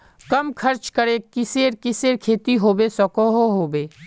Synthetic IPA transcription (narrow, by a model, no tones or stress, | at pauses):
kɐmkʰɐɾt͡ʃkəɾekɪseːɾkɪseːɾkʰeːt̪iɦoːbesɔkoɦoɦoːbeː